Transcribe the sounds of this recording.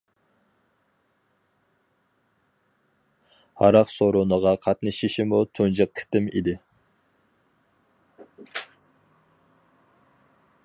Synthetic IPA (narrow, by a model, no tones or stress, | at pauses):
hɑ̰ɾɑqsoɾunəʁɑqʰɑt̪nɨʃiʃimut̪ʰund͡ʒɑq̚ʰɪ̥t̪ɪmḭd̪ɪ